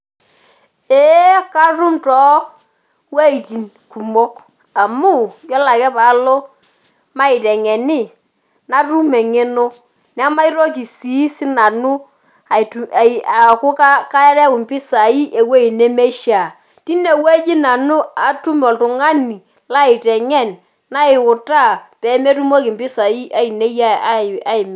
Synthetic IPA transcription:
e˨˦ka˦rʊ˦mtɔ˨˦ | we˦i˨t͡ʃi˨n | ku˨mo˦k | a˨mu˦˨jɔ˦la˨kɛ˦pa˨˦lo˦ | ma˦ɪ˨tɛ˨ŋɛ˨niɪ˦˨ | na˦ru˦mɛ˨ŋe˦no˦ | n˦ma˦i˦ɾo˦k̬i˨si˨˦sɪ˦na˨nu˦ | a˨ta˨kʊ˦ka˦ka˦ɛ˦ɾɛ˦wʊ˨mpɪ˦sa˨i˦ʔe˨we˦i˨ne˦me˦ʃa˨ | ti˦ne˨we˦d͡ʒɪ˦na˨nu˦a˨tu˦m˨ɔ˨ltʊ˨ŋa˦ni˨ | la˦ɪ˨tɛ˨ŋɛ˦˨n | na˦ɪ˨ʊ˨ta˦˨pɛ˨˦me˦tu˦mo˦kɪ˨mpɪ˦sa˨i˦ʔa˦i˨ne˦ja˦a˦ɪ˨m˨

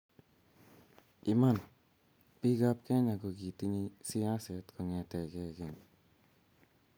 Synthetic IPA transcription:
ɪ˨ma˦˨n | pi˦ɡa˦p̚kɛ˦ɲa˨kɔ˨ɡi˨ti˦ɲi˦si˦a˦sɛ˨tkɔ˨ŋɛ˨tɛ˨kɛ˦˨kɛ˨ŋ

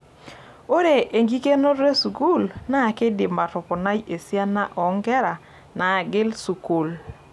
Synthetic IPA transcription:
o˦ɾe˨ʔe˨ŋɡi˦ke˦no˦ɾe˦su˨ku˦˨lna˦˨kɪ˦dɪ˨ma˨tɔ˨pɔ˨na˦je˨sja˦na˦ʔɔ˨˦ŋɡɛ˦ɾa˨ | na˨ɡɪ˦lsu˨ku˨l

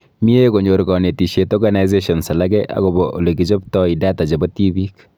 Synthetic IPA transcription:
mi˦e˦ko˨ɲo˨ɾkɔ˨ne˨ti˨ʃe˨tɔ˦ɾɡa˨na˨i˦z̬e˦ʃɔ˨nsa˨la˦ɡɛ˦ʔa̰˦ko˨bɔʔo̰˨le˨ɡi˨t͡ʃo˦ptɔ˦i˨da˦ta˨d͡ʒe˨bɔ˦ti˦bi˦k

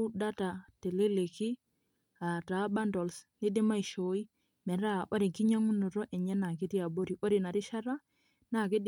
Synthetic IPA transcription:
da˦ta˨te˨le˦le˨ki˦ | a˨ta˨˦ba˦ndɔ˨lsnɪ˦dɪ˦ma˦i˨ʃo˨i˦ | mɛ˨ɾa˦ʔo˦ɾɪ˨ŋki˦ɲa˦ŋʊ˦nʊ˨ɾɔ˦ʔɛ˨ɲɛ˦na˨k̬ɪ˦ti˦a˨bo˦ɾi˨ʔo˦ɾɪ˨na˨ɾɪ˦ʃa˦ɾa˦ | na˨kɪ˦d

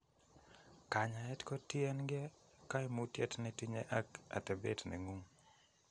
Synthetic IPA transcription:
ka˨ɲa˨ɛ˦tkɔ˦ti˦ɛ˦nɡɛ˦ | ka˦ɛ˦mu˦tjɛ˦tnɛ˦ti˦ɲɛ˦ʔa˦ka̰˨tɛ˨be˦tnɛ̰˨ŋu˦ŋ

